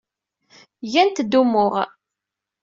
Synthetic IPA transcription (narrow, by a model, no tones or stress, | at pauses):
ʝænt̪d̪umʊʁ